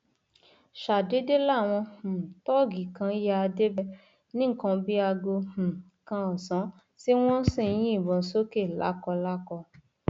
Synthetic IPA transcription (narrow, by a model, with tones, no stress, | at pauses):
ʃa˨de˨˦de˦la˦˨w̃ɔ̃˧hũ˨tɔ˦˨ɡi˨kã˧˦ja˧a˧de˦bɛ˦ | nĩ˦˨kɔ̃˧bi˦a˧ɡo˧h̩˨ | kã˧ɔ˨sã˨˦ | si˦w̃ɔ̃˦sĩ˦˨j̃ĩ˦i˦˨bɔ̃˧˨˦so˦ke˦˨la̰˨˦kɔ˧la˦kɔ˧